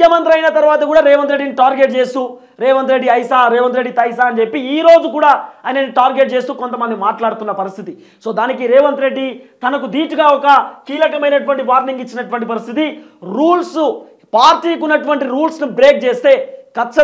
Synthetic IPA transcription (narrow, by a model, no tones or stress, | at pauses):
jɐmɐnt̪̬ɾɐjnɐt̪ɐɾʋaːt̪ɐkuːɽaːɾeːʋɐnt̪ɾe̞ɖiniʈaːɾɡeʈ̚t͡ʃe̞ːst̪uː | ɾɛːʋɐnt̪ɾe̞ɖːiɐjsaːɾeːʋɐnt̪ɾeɖːit̪ɐjsaːɐnd͡ʒepːiiːɾo̞ːd͡ʒukuːɽaːaːjnɐniʈaːɾɡeʈ̚t͡ʃe̞ːst̪uːkont̪ɐmɐnd̪imaːʈlaːɽut̪unːɐpɐɾist̪ʰit̪i | so̞ːd̪aːnikiɾɛːʋɐnt̪ɾe̞ɖːit̪ɐnɐkud̪iːʈuɡaːɔkɐkiːlɐkɐmɐjnɐʈuʋɐɳʈiʋaːɾniŋɡit͡ʃːinɐʈuʋɐɳʈipɐɾist̪ʰit̪i | ɾuːls | paːɾʈiːkunːɐʈuʋɐɳʈiɾuːlsnubɾeːk̚t͡ʃeːst̪e̞ːkɐt͡ʃːɐ